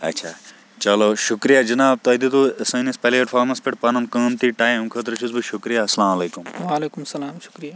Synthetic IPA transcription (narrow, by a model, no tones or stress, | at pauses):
ɐ̰tːʃʰaː | t͡ʃɐloːʃukɾijad͡ʒɐnaːb̚t̪ɐd̪it̪usɐ̃ːnispɐlipɐɾfʰaːɾmɐnspɪʈpɐnɐnkɐ̃ːnt̪iʈaːjmimkʰɐt̪̬ɾɐʃʰuzbiʃʊkɾijasɐlaːmɐleːkumʋaːleːkumɐsɐlaːmʃu̥kɾija